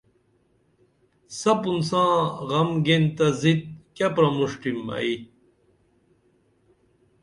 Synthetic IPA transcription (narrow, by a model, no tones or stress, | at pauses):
sɐpunsãːʁɐmɡent̪ɐzit̪̚kɐpɾɐmuʂʈimɐ̰i